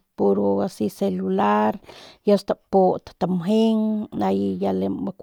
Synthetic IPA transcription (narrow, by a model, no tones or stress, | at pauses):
poɾoasiselulaɾjast̪apot̪t̪amɦeŋnajjalebakʷ